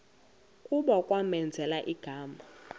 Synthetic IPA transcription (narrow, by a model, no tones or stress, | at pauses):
kʼuɓɔkʼwamɛnd͡zʱɛlaʔiɡ̥ʱaːma